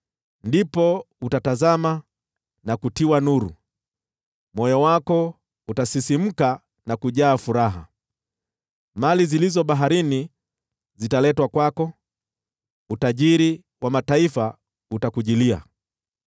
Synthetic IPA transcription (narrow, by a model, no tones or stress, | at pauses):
ndipɔ | utatazama | nakutiwanuɾṵ | mɔjɔwakɔ | utasisim̩ka | nakuʄaːfuɾaɦa̰ | malizilizɔɓaɦaɾini | zitalɛtwakwakɔ | utaʄiɾi | wamataifa | utakuʄilia̰